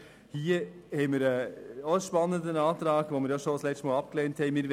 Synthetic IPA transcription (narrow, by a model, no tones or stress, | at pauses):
hiːəhɛɪmiːɾəːoʃpɑnːəndənɑːtɾɑːɡʋomiːɾjaʃoslɛtmɑːlɑp̚kleːnthɛɪmiːɾ